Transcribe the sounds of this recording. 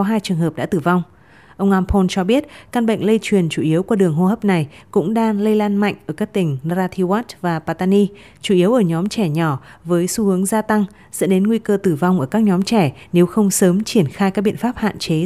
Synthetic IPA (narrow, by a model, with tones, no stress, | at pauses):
ɔ˨˦ɦaː˧jt͡ɕɨ˨˩əŋɦəː˨˩p̚ɗa̰ː˧˥t̪ɨ˧˩va˧wŋ͡m | ʔə˧wŋ͡mʔaː˧mpʰo˧nt͡ɕɔ˧ɓi˦˥ət̚ka˧nɓə̰˧˨ŋ̟lə˧jt͡ɕwi˨˩ənt͡ɕu˧˩ʔi˨˦əwkwɗɨ˨˩əŋɦo˧həː˦˥p̚na˨˩jkʊ̰˧˥ŋ͡mɗaː˧ŋlə˧jlaː˧nma̰˧˨jŋ̟ʔəː˧˩kaː˦˥k̚t̪ï˧˩ŋ̟˧zaː˧t̪ʰi˧waː˦˥t̚vaː˨˩paː˧˩t̪aː˧ni˧ | t͡ɕu˧˩ʔi˨˦əwʔəː˧˩ɲɔ˨˦mt͡ɕɛ˧˩ɲɔ˧˩vəː˨˦jsu˨˦hɨ˨˦əŋzaː˧t̪a˧ŋ | zɛ̰˧˥ɗe˨˦nŋwi˧kəː˧t̪ɨ˧˩va˧wŋ͡mʔəː˧˩kaː˦˥k̚ɲɔ˨˦mt͡ɕɛ˧˩ne˨˦wxə˧wŋ͡msəː˨˦mt͡ɕi˧˩ənxaː˧jka˦˥k̚ɓḭ˧˨ə˨nfaː˦˥p̚ha̰ː˧˨nt͡ɕe˨˦